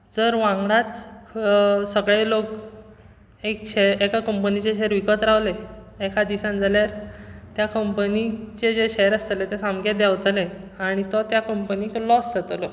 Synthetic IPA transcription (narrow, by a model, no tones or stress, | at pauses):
d͡zəɾʋãŋɡɽat͡s | səɡɭelok | ekɕeekakəmpənit͡ɕeɕeɾʋikət̪ɾaʋle | ekʰad̪isãnd͡zaljaɾt̪jakəmpənit͡ɕed͡ʑeɕeɾəst̪əlet̪ẽsamɡed̪jaʋt̪leaɽ̃it̪ɔt̪jakəmpəniklɔsd͡zat̪lɔ